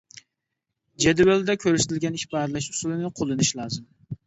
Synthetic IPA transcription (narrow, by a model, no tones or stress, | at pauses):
d͡ʒɛd̪wæld̪ɛkʲʰøɾst̪ʰɪlɡʲɛniʃbɑɾlˠɛʃusulˠɨnɨqʰolˠɨnɨʃlˠɑːzɨm